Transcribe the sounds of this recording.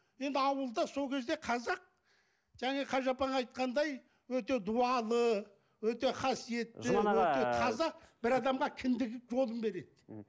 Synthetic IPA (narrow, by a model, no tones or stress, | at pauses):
je̞nd̪ɪɑwəlˠd̪ɑso̞lˠkʲʰe̞zd̪e̞qʰɑzɑq̚ | ʒ̥æŋeqʰɑʒɑpɑɴɑjt̪̚qɑnd̪ɑj | wɵt̪e̞d̪uɑlˠə | wɵt̪e̞χɑsije̞t̪ːɪɵt̪e̞t̪ʰɑzɑb̥ɪɾɑd̪ɑmʁɑkʲʰɪnd̪ɪɡɪkʒo̞lˠəmbe̞ɾe̞d̪ɪ